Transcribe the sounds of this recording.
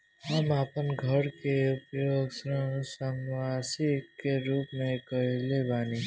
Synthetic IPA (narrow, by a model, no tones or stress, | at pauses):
ɦəmaːpənɡʱəɾkeʊpjoːɡsɾə̃səmwaːsikːeɾuːpmẽkəɦɪlebaːni